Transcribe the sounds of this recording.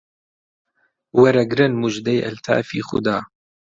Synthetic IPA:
wɛɾɛɡɾɨnmuʒd̪ɛjɛ̰lt̪ʰa̰ːfḭːxʊ̰d̪aː

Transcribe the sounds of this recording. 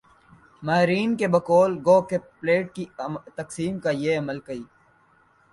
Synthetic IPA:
maɦɪɾiːnkebɐkɔːlɡoːkepleːʈ̚kit̪ɐksiːmkajeːɐməlkɐiː

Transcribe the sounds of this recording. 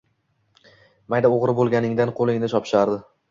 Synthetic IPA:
majd̪aoʁɾɪbolˠɡʲanɪŋd̪anqʰolˠɪŋnɪʃʰɒpʃaɾd̪ɪ

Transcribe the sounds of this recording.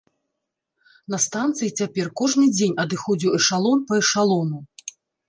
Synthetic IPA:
nɐst̪ant̪sɨjit͡sʲapʲɛrkɔʐnɨd͡zʲenʲɐd̪ɨxɔd͡zʲiwɛʂalˠɔmpɐɛʂalˠɔnu

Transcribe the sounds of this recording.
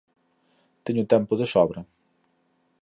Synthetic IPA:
t̪eɲut̪ɛmpʊðəsɔβɾɐ

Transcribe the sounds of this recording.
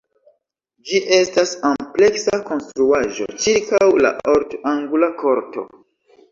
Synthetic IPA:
d͡ʒiʔe̞stasample̞ksako̞nstɾuaʒo̞̰t͡ʃiɾkawla̰ʔoɾtoaŋɡulakʰo̞ɾto̞̰

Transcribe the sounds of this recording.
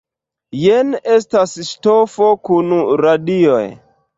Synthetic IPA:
jenestasʃtofo̞kunuɾadio̰j

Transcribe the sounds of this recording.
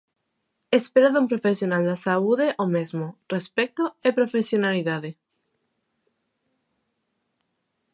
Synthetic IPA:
espeɾaðumpɾofesjonald̪asauð̞eʔomezmorespek̚t̪oepɾofesjonaliðaðe

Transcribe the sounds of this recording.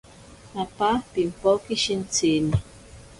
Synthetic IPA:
apapimpokiʃint͡sini

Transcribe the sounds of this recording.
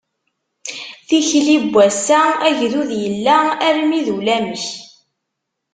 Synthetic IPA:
θiçlibʷːæsææʝðuðjəlːææɾmiðulæməç

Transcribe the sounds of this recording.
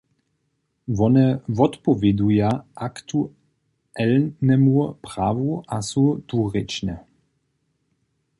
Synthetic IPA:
vɔnɛvɔt̪pɔvɛd̪ujaʔakt̪u | ɛlnɛmupʁaːvuʔasut̪uʁɪt͡ʃnɛ

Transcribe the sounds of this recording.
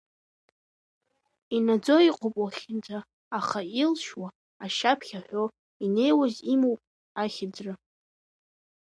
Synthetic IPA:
inad͡zo̞iqʷʼʰopʼwaχʲɪnd͡zaː | χailʃwa | aʃapʰχʲaħʷᶣo | ine̞jwazimowpʼ | aχʲɪd͡zra

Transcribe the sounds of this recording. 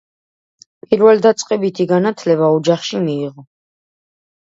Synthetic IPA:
pʼiɾvɛld̪at̪sʼqʼɛbit̪ʰiɡanat̪ʰlɛbaɔd͡ʒaχʃimiːʁɔ

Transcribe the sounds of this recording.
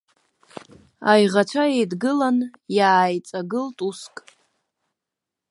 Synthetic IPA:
ajʁat͡ʃʷʰaejdɡɨlanjaːjt͡sʼaɡɨltʼuskʼ

